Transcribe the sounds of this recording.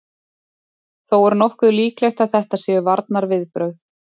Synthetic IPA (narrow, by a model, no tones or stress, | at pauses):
θowɛɾnɔhkʏliːklɛjxt̪aðθɛht̪asjɛʏvaɾt̪naɾvɪðpɾœɥθ